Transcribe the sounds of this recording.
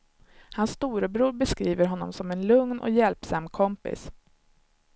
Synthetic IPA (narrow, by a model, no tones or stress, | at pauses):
hansːt̪uːɾəbɾuːɾbɛskɾiːvəɾɦɔnːɔ̰msɔmɛnlɵŋnʔɔ̰jɛlpsamkʰɔmpɪ̰s